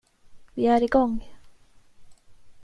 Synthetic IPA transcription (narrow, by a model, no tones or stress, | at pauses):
viæɾiɡɔŋ